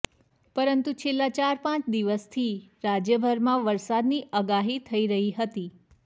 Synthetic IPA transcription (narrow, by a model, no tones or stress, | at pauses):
pəɾənt̪ut͡ʃʰelːat͡ʃaɾpãt͡ʃd̪iʋəst̪ʰiɾad͡ʒjəbʱəɾmãʋəɾsad̪niʔəɡaɦit̪ʰəiɾəɦiɦət̪i